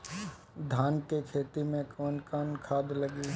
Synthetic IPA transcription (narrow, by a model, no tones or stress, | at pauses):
d̪ʱaːnkekʰeːt̪imẽkɔːnkaːnkʰaːd̪ləɡi